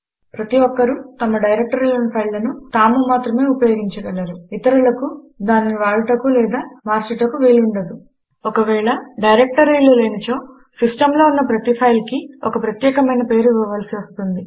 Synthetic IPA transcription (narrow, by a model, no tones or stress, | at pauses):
pɾɐt̪iʋɔkːɐɾut̪ɐmɐɖɐjɾek̚ʈɐɾilɐnpʰɐjllɐnut̪aːmumaːt̪ɾɐme̞ːupɐjoɡiɲt͡ʃɐʋɐlːɐɾuit̪ɐɾulɐku | d̪aːnːiʋaːɭɐʈɐkulɛːd̪aːmaːɾsiʈɐkuʋeːluɳɖɐd̪u | ɔkɐʋɛːɭɐɖɐjɾek̚ʈɐɾiːlɐleːnɐt͡ʃoː | sisʈɐmlo̞ːunːɐpɾɐt̪ipʰɐjlkiɔ̰kɐpɾɐt̪jɛːkɐmɐjnɐpe̞ːɾuʋiʋɐʋaːlsiʋɐst̪und̪i